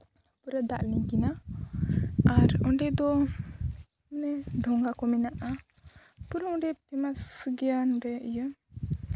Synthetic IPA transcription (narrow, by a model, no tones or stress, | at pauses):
puɾəd̪aʔliɲkina | aɾɔɳɖɛd̪ɔ | nɛɖʱɔŋɡakɔminaʔa | puɾəɔ̃ɖɛp̚t̪ɛmasɡianɾɛijə